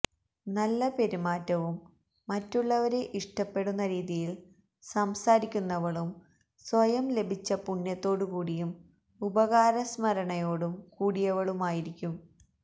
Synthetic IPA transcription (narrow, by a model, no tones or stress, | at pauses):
nɐlːɐpe̞ɾimaːtːɐʋumː | ɐtːuɭːɐʋɐɾe̞ʔiʂʈɐpːe̞ɽunːɐɾiːðijil | sɐmsaːɾikʲːunːɐʋɐɭum | sʋɐjɐmle̞bʱit͡ɕːɐpuɳːɐt̪ːo̞ːɽukuːɽijum | ubɐɣaːɾɐsmɐɾɐɳɐjo̞ːɽumkuːɽijɐʋɐɭumaːjiɾikʲːum